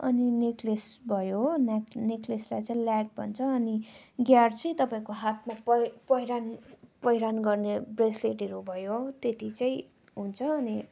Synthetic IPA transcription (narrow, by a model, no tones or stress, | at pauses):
ʌ̰nineklesbʱʌjonnekleslajt͡sʌĩlaɖ̚bʱʌ̰nt͡sʰʌːniɡjart͡sʌĩt̪ʌpaĩkoɦat̪ʰmapʌpʌjɾanpʌjɾanɡʌrnebresleʈɦʌɾubʱʌjot̪et̪it͡saĩ | ɦunt͡sʰʌːni